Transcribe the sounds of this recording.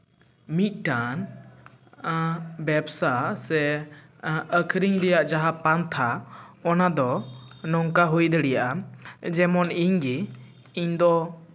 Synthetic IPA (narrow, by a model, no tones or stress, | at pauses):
mit̪̚ˀʈan | bɛbsasɛ | əkʰɾiŋlɛjaʔd͡ʒaɦapant̪ʰaɔnad̪ɔnɔŋkaɦujd̪əɽɛjaʔad͡ʒɛmɔniɲɡi | iɲd̪ɔ